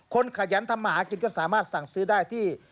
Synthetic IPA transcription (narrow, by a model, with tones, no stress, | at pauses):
kʰo˧nkʰa˧˩ja˨˦˥nt̪ʰa˧mːaː˧haː˨˩˦ki˧˩nkɔː˥˩saː˨˩˦maː˥˩t̪̚sa˨˩ŋsɯː˦˥daː˥˩jt̪ʰiː˥˩